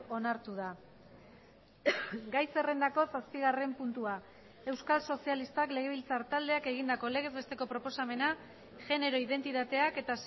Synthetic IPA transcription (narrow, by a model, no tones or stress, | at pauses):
o̞naɾt̪uð̞a | ɡajse̞re̞nd̪ako̞saspiɣare̞mpunt̪ua | e̞wskalso̞sialist̪akle̞ɣ̞e̞β̞ilt͡saɾt̪ald̪e̞ake̞ɣind̪ako̞le̞ɣe̞zβe̞st̪e̞ko̞pɾo̞po̞same̞na | ʝe̞ne̞ɾo̞iðe̞nt̪it̪at̪e̞ake̞t̪as